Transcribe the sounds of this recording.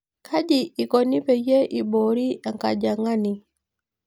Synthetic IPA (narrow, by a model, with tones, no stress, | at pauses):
kʰa˦ɟiː˨kɔ˨ni˦pɛ˨jɛ˦ʔi˨ɓɔ˨ɾi˦a˨ŋka˨ɟa˨ŋa˦ni˨